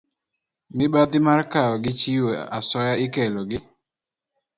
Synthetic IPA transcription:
mɪbat̪ɪmarkaɔɡɪt͡ʃiwoasɔjaɪkɛlɔɡɪ

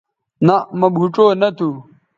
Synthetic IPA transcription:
nɐmɐbʱuʈ͡ʂoːnɐt̪ʰu

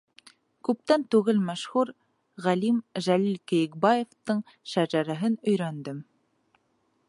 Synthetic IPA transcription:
kʉp̚t̪ænt̪ʉɣɘlmæʃhuɾ | ʁælimʒælilkɘ̆jɘ̆k̚bɑjeft̪ɤɴ | ʃæʒæɾæɦɘnɵ̆jɾænd̪ɘm

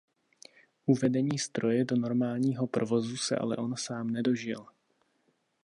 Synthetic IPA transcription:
ʔuvɛdɛɲiːst̪ɾo̞jɛdo̞no̞ɾmaːlɲiːɦo̞pɾovo̞zusɛ̰ʔa̰lɛ̰ʔo̞nsaːmnɛdo̞ʒɪl

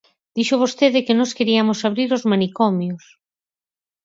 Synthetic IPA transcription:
d̪̥iʃʊβ̞ost̪eðɪkɪnɔskeɾiamosaβ̞ɾiɾozmanikɔmjos

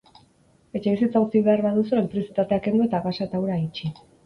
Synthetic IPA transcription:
e̞t͡ʃe̞β̞isit͡saut͡siβe̞aɾβaðusuemp̪ɾiosit̪at̪e̞ake̞nd̪ue̞t̪aɣasaet̪awɾait͡ʃi

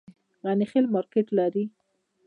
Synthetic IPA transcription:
ɣanixelmɑɾkeʈlaɾi

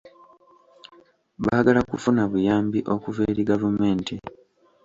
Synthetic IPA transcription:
βaːɡalakufunaβujaːmbiʔo̞kuveːɾiɡavume̞ːnti

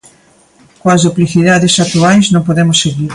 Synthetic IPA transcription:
kwɐzðopliθiðaðesakt̪uajznõmpoðemʊsːeɣiɾ

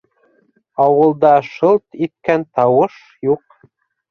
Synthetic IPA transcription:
ɑwɤ̆lˠd̪ɑʃɤlˠt̪it̪̚kænt̪ɑwɤʃ | juq

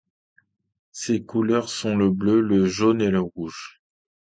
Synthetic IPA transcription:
sekulœʁsɔ̃ləbløləʒoneləʁuʒ

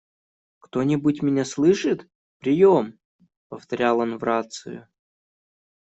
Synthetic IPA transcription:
kt̪o̞nʲɪbutʲmʲɪnʲaslˠɨʂɨt̪ | pɾʲɪjom | pəft̪ɐɾʲalˠonvɾat̪sɨ̰jʊ̰

